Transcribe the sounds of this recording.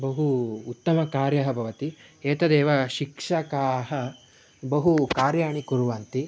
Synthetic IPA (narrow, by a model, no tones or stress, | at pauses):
bɐɦuːt̪ːɐmɐkaːɾjɐɦɐ̆bʱɐʋɐt̪ieːt̪ɐd̪eːʋɐʃikʂɐkaːɦɐ̆ | bɐɦukaːɾjaːɳikuɾuʋaːnt̪i